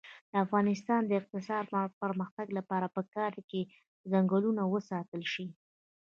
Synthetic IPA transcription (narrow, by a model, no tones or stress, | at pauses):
d̪̥əafɣɑnɪs̬t̪ɑnd̪əɪq̚t̪ɪsɑɾmpəɾməxt̪aɡlapɑɾapəkɑɾke | zaŋɡəlunawəsɑt̪əlʃi